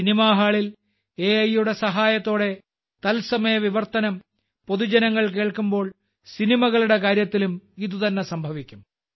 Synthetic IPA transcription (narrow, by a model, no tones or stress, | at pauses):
inimaːɦaːɭil | eːɐjuɽe̞sɐɦaːjɐt̪ːo̞ːɽe̞ | t̪ɐlsɐmɐjɐʋiʋɐrt̪ɐnɐm | po̞ðud͡ʑɐnɐŋːɐɭkeːɭkumbo̞ːɭ | sinimɐɣɐɭuɽe̞kaːɾjɐt̪ːilumiðut̪ɐnːe̞sɐmbʱɐʋikʲːum